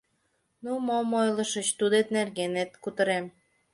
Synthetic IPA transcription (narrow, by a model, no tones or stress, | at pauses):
numomojlə̆ʃə̆t͡ɕt̪ud̪et̪nerɣenet̪̚kut̪ə̆ɾem